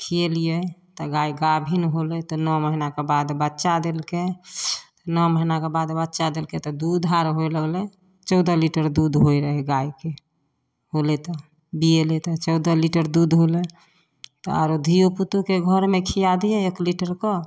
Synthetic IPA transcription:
kʰielijɛt̪ɔɡaiɡabʱinɦolɛt̪ɔnɔməɦinakebad̪bətːt͡ʃad̪elket̪ɔnɔməɦinakebad̪bətːt͡ʃad̪elket̪ɔd̪ud̪ʱɦaɾɦojləɡlɛ | t͡ʃɔʊd̪əliʈəɾd̪ud̪ɦoiɾəɦɛɡaike | ɦolet̪ɔ | bijelet̪ɔt͡ʃɔʊd̪əliʈəɾd̪ud̪ɦolɛ | t̪ɔaɾod̪ʱijoput̪ukeɡʱɔɾmekʰijad̪ijɛekliʈəɾkɔ

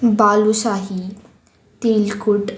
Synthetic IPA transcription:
baːlusaɦi | t̪eːlkuʈ

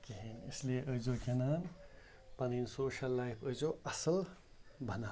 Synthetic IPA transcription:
kiɦinislieʔəzoːkʰenaːn | pɐniːnsoːʃɐlːaːjpʰəzoɐsɐl | bʱɐnaː

